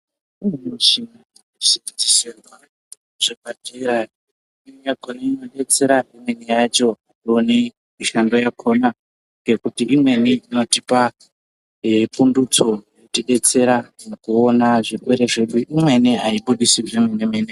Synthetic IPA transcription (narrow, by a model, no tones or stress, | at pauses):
imnuʃina | siitiserwa | ʐ̥ekateɾa | mejaɡʱoniino̞ɗe̞t͡se̞ɾaimwenijat͡ʃo̞aioni | miʃando̞jakʰona | ŋɡe̞kutiʔimwe̞niino̞tipa | pundut͡so̞jetiɗe̞t͡se̞ɾanokuonaʐikweɾeʐe̞ɗuʔimwe̞niaiɓuɗisiʐemenemene